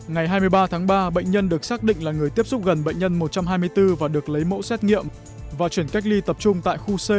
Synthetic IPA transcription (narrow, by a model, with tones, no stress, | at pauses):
ŋa˨˩jɦaː˧jmɨ˧əjɓaː˧t̪ʰaː˨˦ŋɓaː˧ɓə̰˧˨ŋ̟ɲə˧nɗɨ˨˩ək̚saː˦˥k̚ɗḭ̈˧˨ŋ̟laː˨˩ŋɨ˨˩əjt̪i˦˥əp̚sʊ˦˥p̚ɣə˨˩nɓə̰˧˨jŋ̟ɲə˧nmo˨˩t̚t͡ɕa˧mhɦaː˧jmɨ˧əjt̪ɨ˧vaː˨˩ɗɨ˨˩ək̚lə˨˦jmo̰˧˥sɛ˦˥t̚ŋḭ˧˨əm | vaː˨˩t͡ɕwi˧˩ənka˦˥jk̚li˧t̪ə˨˩p̚t͡ɕʊ˧ŋ͡mt̪a̰ː˧˨jxu˧se˧